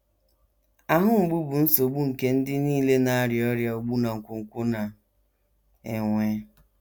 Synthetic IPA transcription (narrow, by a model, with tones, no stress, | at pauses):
a˦ɦʊ˦ŋ͡m̩˨ɡ͡bu˦bʊ˨n̩˦so˨ɡ͡bu˦ŋ̩˨ke˦n̩˦dɪ˦niː˦le˦na˦a˦ɾjɔ˦ɾja˦o˨ɡ͡bu˦na˨ŋ̩˨kʷʊ˨ŋ̩˨kʷʊ˦na˨ | e˨ŋʷe˦